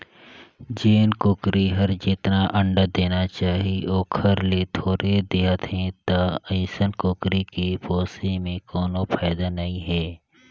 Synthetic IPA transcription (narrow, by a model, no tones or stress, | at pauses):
d͡ʒeːnkʊkɾiɦəɾd͡ʒɪt̪naʔə̃ɳɖəd̪eːnat͡ʃaːɦioːkʰəɾlet̪ʰoːɾed̪eːɦət̪ɦɛ̃t̪aəɪsənkʊkɾikipoːsemẽkɔːnopʰaːd̪anəɦĩɦɛː